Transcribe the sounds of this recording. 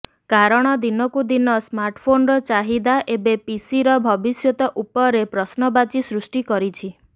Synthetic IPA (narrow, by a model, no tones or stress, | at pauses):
kaɾɔɽ̃ɔd̪inɔkud̪inɔsmaɾʈpʰonɾɔt͡ʃaɦid̪aʔebepisiɾɔbʱɔbisjot̪ɔʔupɔɾepɾɔsnɔbat͡ʃisɾusʈikɔɾit͡ʃʰi